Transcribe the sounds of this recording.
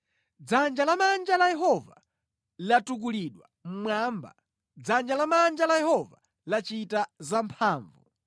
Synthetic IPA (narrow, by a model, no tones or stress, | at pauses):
d͡zand͡ʒalamand͡ʒalajɛɦɔva | latuk̬uliɗwa | m̩mwaːmba̰ | d͡zand͡ʒalamand͡ʒalajɛhɔva | lat͡ʃitazampʰaːɱvu